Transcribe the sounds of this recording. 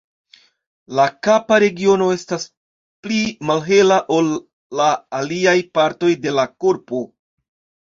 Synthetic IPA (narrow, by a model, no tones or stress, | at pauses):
lakapaɾe̞ɡio̞no̞e̞stas | plimalɦe̞laʔo̞lː | aːliajpaɾto̞jde̞lakoɾpo̞